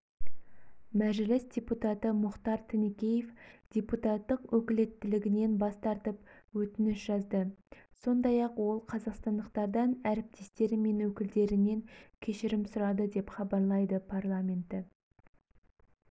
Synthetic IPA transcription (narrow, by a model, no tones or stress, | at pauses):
mæʒɪlɪsdʲe̞put̪ɑt̪əmʊχt̪ɑɾt̪ʰɪnekʲe̞je̞fd̥̪ʲe̞put̪ɑt̪ːəqwʔɵkʲɪle̞t̪ːɪlɪɡʲɪne̞nbɑst̪ɑɾt̪əp̚wɵt̪ɪnɪʃʒɑzd̪əso̞nd̪ɑjɑqwo̞lˠqʰɑzɑqst̪ɑnd̪əqt̪ɑɾd̪ɑnæɾɪp̚t̪ʰe̞st̪e̞ɾɪme̞nwɵkʲɪld̪e̞ɾɪne̞ŋkʲʰe̞ʃɪɾɪmsʊɾɑd̪əd̪e̞pχɑbɑɾlˠɑjd̪əpʰɑrlˠamʲe̞nt̪ɪ